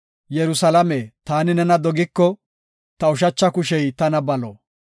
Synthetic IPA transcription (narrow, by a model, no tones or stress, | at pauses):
jɛɾʊsɐlɐmet̪aːnɪnɛnɐd̪ɔɡɪkːɔ | t̪ɐʊʃ̬ɐt͡ʃːɐkʊʃɛjt̪ɐnɐbɐlo̰ː